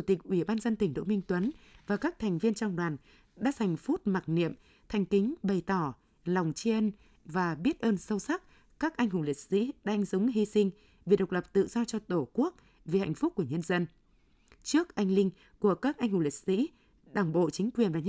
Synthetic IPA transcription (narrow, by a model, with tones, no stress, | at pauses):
t͡ɕu˧˩t̪ï˨˩k̚ʔwi˧˩ɓaː˧nzə˧nt̪ï˨˩ŋ̟ɗo̰˧˨mï˧ŋ̟t̪wə˨˦nvaː˨˩kaː˦˥k̚t̪ʰɛ˨˩jŋ̟vi˧ənt͡ɕa˧wŋ͡mɗwaː˨˩n | ɗa̰ː˧˥ha˨˩jŋ̟fu˦˥t̚ma˨˩t̚nḭ˧˨əm | t̪ʰɛ˨˩ŋ̟kï˨˦ŋ̟ɓə˨˩jt̪ɔ˧˩ | la˨˩wŋ͡mt͡ɕi˧ə˧n | vaː˨˩ɓi˦˥ət̚ʔəː˧nsə˧wsa˦˥k̚ | kaː˦˥k̚ʔa˧ŋ̟hʊ̰˨˧˩li˨˩t̚sḭ˧˥ɗa˧jŋ̟zʊ˨˦ŋ͡mɦi˧sï˧ŋ̟ | vi˨˩ɗə˨˩wk͡p̚lə˨˩p̚t̪ɨ̰˧˨z̥ɔ˧t͡ɕɔ˧t̪o˧˩ku˦˥ək̚ | vi˨˩ha̰˧˨jŋ̟fʊ˦˥k͡p̚kːu˧˩əɲə˧nzə˧n | t͡ɕɨ˦˥ək̚ʔa˧jŋ̟lï˧ŋ̟ | ku˧˩əkaː˦˥k̚ʔa˧jŋ̟hʊ˨˧˩li˨˩t̚sḭ˧˥ | ɗaː˨˩ŋ͡mɓo̰˧˨t͡ɕï˨˦ŋ̟kwi˨˩ənvaː˨˩ɲ˧